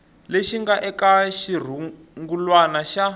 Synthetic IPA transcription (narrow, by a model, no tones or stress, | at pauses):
leʃiŋɡaʔɛkaʃir̤u | ŋɡulwanaʃa